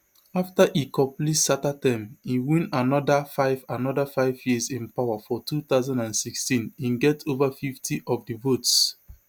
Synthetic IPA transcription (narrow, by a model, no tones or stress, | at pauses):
aftaʔikʰɔ̃plitsatatãɪ̃miwĩnanɔdafaɪvanɔdafaɪvjizĩnpawafɔtʰuθaʊzãndãnsikstĩnĩnɡɛtʰovafiftʰiʔɔvdivots